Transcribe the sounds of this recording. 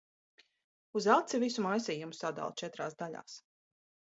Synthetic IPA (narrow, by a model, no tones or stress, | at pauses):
uzalˠt̪sivisumajsiːjumusad̪a̰lˠt͡ʃɛt̪ɾaːsd̪aʎa̰ːs